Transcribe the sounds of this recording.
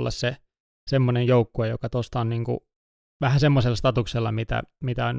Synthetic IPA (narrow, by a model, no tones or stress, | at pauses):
lːɑ̰sse | semːonejjoukːuejokɑt̪ost̪ɑonniːŋkṵ | ʋæhæsemːoselːɑst̪ɑt̪ukselːɑmit̪æ̰mit̪æon